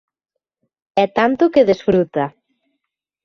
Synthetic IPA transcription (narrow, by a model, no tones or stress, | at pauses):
ɛt̪ant̪ʊkeðesfɾut̪a